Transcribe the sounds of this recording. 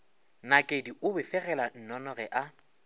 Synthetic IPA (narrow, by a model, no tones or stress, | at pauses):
nakʼediʔʊbɪfɛɣɛlan̩nɔnɔɣɛʔa